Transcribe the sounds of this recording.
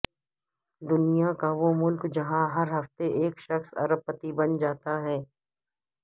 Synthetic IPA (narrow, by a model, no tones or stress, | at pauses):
d̪ʊnijakaʋomʊlkd͡ʒɐɦãɦɐɾɦɐft̪eʔeːkʃɐxsɐ̰ɾəpːət̪ibɐnd͡ʒaːt̪aɦɛː